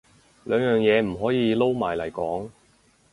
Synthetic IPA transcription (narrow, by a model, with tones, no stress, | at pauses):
lœː˨˧ŋjœː˨ŋjɛː˨˧m̩˨˩ɦɔː˨˥jiː˨˧lo˥wmaː˨˩jlɐ˨˩jkɔː˨˥ŋ